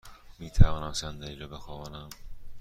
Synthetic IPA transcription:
miːt̪ʰævɒːnæmsænd̪æɾiːɾɒːbexɒvɒːnæm

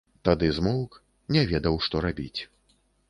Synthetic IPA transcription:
t̪ad̪ɨzmɔwk | nʲɛvʲɛd̪ɐwʂt̪ɔɾabʲit͡sʲ

